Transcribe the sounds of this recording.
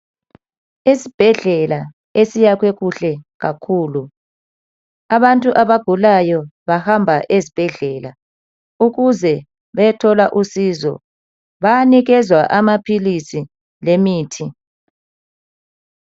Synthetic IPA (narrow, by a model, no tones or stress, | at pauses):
isib̥ʱɛɮɛla | esijakweɣuɬɛɣakʰuːlu | aβantʼuʔaβaɡ̥ʱulajɔβahambʱaʔezib̥ʱɛɮɛla | uɣuzɛ | βɛtʰɔlaʔusiːzɔ̰ | βajniɣɛzwaʔamapʰilisi | lemiːtʰi